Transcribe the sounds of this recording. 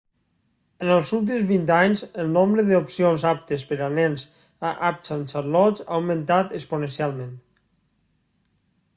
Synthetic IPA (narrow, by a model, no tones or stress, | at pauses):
ənəlˠzulˠt̪̬imzβint̪aɲzəlˠnombɾəðəupsionzap̚t̪əspəɾanɛnz | aʔap̚sansəɾlɔt͡sa̰wmə̃nt̪at̪əkspunənsialˠmẽnt̪